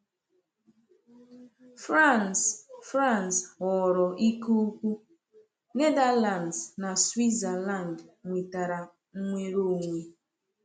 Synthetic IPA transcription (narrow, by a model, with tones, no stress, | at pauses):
fɾa˦˨nsfɾa˦˨nsɔ˨ɾɔ˨ʔi˦ku˦kʷu˦ | ne˦da˦la˨ndzna˨swi˦za˨la˦˨n˨dŋʷi˨ta˨ɾa˨ | ŋ̩˦ŋʷe˦ɾo˦˨ŋʷe˦